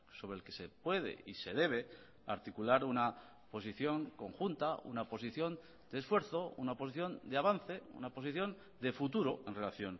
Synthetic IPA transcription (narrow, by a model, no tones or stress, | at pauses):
so̞βɾelke̞se̞pwe̞ð̞e̞̰ise̞ð̞e̞β̞e̞ | a̰ɾt̪ikulaɾuna | po̞s̬iθjo̞ŋko̞ŋxunt̪aṵnapo̞s̬iθjo̞n | d̪e̞ːsfwe̞ɾθo̞ṵnapo̞s̬iθjo̞nd̪eaβ̞anθe̞ṵnapo̞siθjo̞n | d̪e̞fut̪̬uɾoe̞nre̞laθjon